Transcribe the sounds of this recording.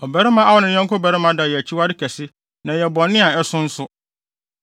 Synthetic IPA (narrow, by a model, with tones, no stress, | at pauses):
ɔ˨bæ˨ɾɛ˦mã˦a˦wɔ˦nɪ̃˨˦ɲɛ̃˦ŋ˦kʰʊ˦bɛ˨ɾɪ˦mã˦da˨jɛ˨æ˨t͡ɕʰi˦wa˦dɪ˦kʰæ˨sɪ˦ | nã˨jɛ˨bɔ̃˨nɪ̃˦a˨ɛ˦sʊ̃˦n̩˦sʊ˦